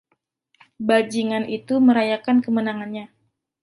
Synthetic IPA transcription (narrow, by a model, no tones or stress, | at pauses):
bad͡ʒiŋanʔit̪uməɾajakankəmənaŋanɲa